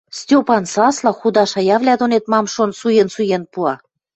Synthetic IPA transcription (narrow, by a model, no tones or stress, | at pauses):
st̪ʲopɑnsɑslɑxud̪ɑʃɑjɑvlʲæd̪onet̪mɑmʃonsujensujenpuɑ